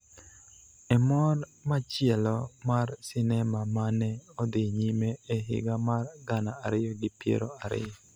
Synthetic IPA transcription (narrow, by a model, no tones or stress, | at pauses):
ɛmɔrmat͡ʃɪɛlɔmarsɪnɛmamanɛɔd̪ɪɲimeːɦɪ̰ɡamarɡanaaɾɪjɔɡɪpjḛɾoaɾɪ̰jɔ